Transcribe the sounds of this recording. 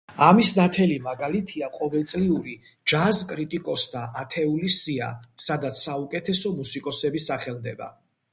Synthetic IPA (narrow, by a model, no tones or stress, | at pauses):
amisnat̪ʰɛlimaɡalit̪ʰiaqʼɔvɛlˠt̪sʼliuɾi | d͡ʒazkʼɾit̪ʼikʼɔsd̪aʔat̪ʰɛulisia̰sad̪at̪sʰːaukʼɛt̪ʰɛsɔmusikʼɔsɛbisaχɛld̪ɛba̰